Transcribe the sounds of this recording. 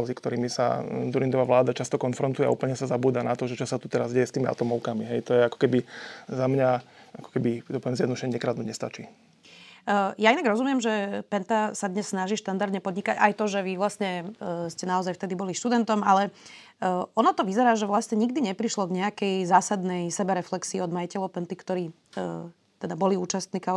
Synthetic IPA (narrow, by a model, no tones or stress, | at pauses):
zikt̪ɔɾiːmisa̰d̪uɾind̪ɔʋaʋlaːd̪at͡ʃast̪ɔkɔnfɾɔnt̪ujɛa̰ṵːpl̩ɲɛsazabuːd̪anat̪ɔʒɛt͡ʃɔsat̪ut̪ɛɾazɟɛjɛst̪iːmia̰t̪ɔmɔʊkamiɦɛjt̪ɔjɛakɔ̥kɛbizamɲaakɔ̥kɛbit̪ɔpɔʋjɛmzjɛd̪nd̪uʃɛɲːɛkɾaːd̪nuɲɛst̪at͡ʃiː | jainaɡɾɔzumɪjɛmʒɛpɛnt̪asad̪ɲɛsːnaʒiːʃt̪and̪aɾd̪ɲɛpɔd̪ɲikaɟajt̪ɔʒɛʋiʋlasɲɛscɛnaɔzajft̪ɛd̪ibɔliʃt̪ud̪ɛnt̪ɔmalɛ | ɔnɔt̪ɔʋizɛɾaːʒɛʋlasɲɛɲiɡd̪iɲɛpɾiʃlɔɡɲɛakɛjzaːsad̪nɛjsɛbɛɾɛflɛksiːɔd̪majicɛlɔʊpɛnt̪ikt̪ɔɾiː | t̪ɛd̪abɔliuːt͡ʃast̪niːka